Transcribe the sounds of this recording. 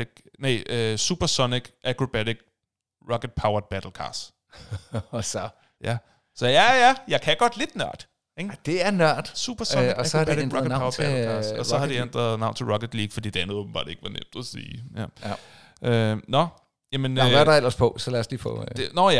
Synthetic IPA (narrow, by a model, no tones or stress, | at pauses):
ɡ̥neʔøsṵb̥ɐsɔ̽niɡ̥ʔækʰʁob̥æɾiɡ̥ | ʁɒ̽ked̥̚pʰɑ̈ʊɐb̥æd̥l̩kʰɑ̰̈ːsd̥ | sɒ | jæ | sɒ̽jæjæjɑ̈ɪkʰæɡ̥ɒ̽d̥le̝d̥nɶɐ̰d̥ | eŋd̥e̝æɐnɶɐ̰d̥sṵːb̥ɐsɔiæsɒhɑdbæɾiʁɑʊɐbælkʰɑːsdɒ̽sɒɦɑ̈d̥iend̥ʁɐð̩ˠnɑ̈ʊ̰nt͡sʰe̝lʁɒ̽ked̥liːɡ̥fɒd̥ḭːd̥e̝ænð̩ˠm̩b̥ɑ̰̈ːd̥ee̝ɡ̥əʋɑ̈nḛm̰d̥ɒsḭːjæ | ʔønɒ̽ | jæmenʋædael̰ɐspʰɔsɒlæɐsliːfɔ̰d̥enɒjæ